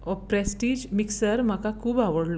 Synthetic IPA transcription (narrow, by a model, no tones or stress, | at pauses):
ɔpɾɛsʈiːd͡ʑmiksəɾmakakʰuːbaʋəɽlo